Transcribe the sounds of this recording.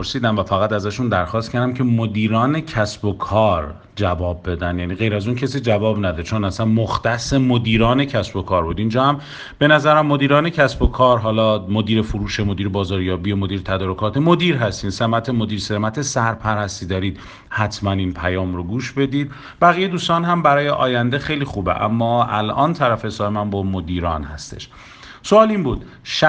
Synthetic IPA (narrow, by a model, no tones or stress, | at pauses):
oɾsiːd̪æmvæfæɣæt̪æzæʃund̪æɾxɒːst̪kcʰæɾd̪æmcʰemod̪iːɾɒːne̞cʰæsbokʰɒːɾ | d͡ʒævɒːb̚ːe̞d̪ænd̪jæːniːɣe̞jɾæzuncʰesiːd͡ʒævɒːbnæd̪ɔt͡ʃʰonæsænmoxt̪æsemod̪iːɾɒːne̞cʰæsbo̞kʰɒːɾbuːd̪ind͡ʒɒːhæm | b̥e̞næzæɾæmːo̞d̪iːɾɒːne̞cʰæsbokʰɒːɾɦɒːlɒːmod̪iːɾefoɾuːʃemod̪iːɾebɒːzɒːɾjɒːbiemod̪iːɾet̪ʰæd̪ɒːɾokʰɒːt̪ʰemo̞d̪iːɾɦæst̪iːnsemæt̪ʰemo̞d̪iːɾsemæt̪ʰesæɾpʰæɾæst̪iːd̪ɒːɾiːd̪̥ | hæt̪ʰmæninpʰæjɒːmɾoɡuːʃbe̞d̪iːd̪̚ | bæɣijed̪uːst̪ɒːnɦæmbæɾɒːje̞ʔɒːjænd̪exejlixuːbḛʔæ̰mːɒːælʔɒ̰ːnt̪ʰæɾæfesɒːemænbɒːmod̪iːɾɒ̰ːnhæst̪e̞̰ʃ | soɒːlinbuːd̪ | ʃ